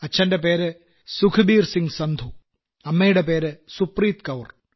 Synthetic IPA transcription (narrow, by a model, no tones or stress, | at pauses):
ɐt͡ɕʰɐndep̬e̞ːɾɨ | sukʰɨbiːrsiŋɡsɐnd̪ʱu | ɐmːejuɽep̬eːɾɨsupriːt̪kɐʋr